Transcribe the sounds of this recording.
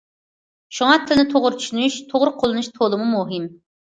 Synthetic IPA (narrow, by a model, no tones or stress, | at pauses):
ʃuŋɑt̪ʰɪlnɪt̪ʰoʁʊɾt͡ʃʰy̥ʃynyʃt̪ʰoʁʊɾqʰolˠɨnuʃt̪ʰolˠɨmumuɦɪm